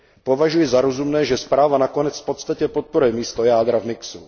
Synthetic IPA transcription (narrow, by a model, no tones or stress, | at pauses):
pɔʋaʒujɛzaɾɔzumnɛːʒɛspɾaːʋanakɔnɛt͡sfpɔt̪st̪acɛpɔt̪̚pɔɾujɛmiːst̪ɔjaːd̪ɾavmiksu